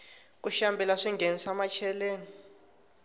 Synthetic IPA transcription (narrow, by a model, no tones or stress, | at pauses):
k̬uʃambʱɛlaʂiŋɡʱenisamat͡ʃʰɛleːni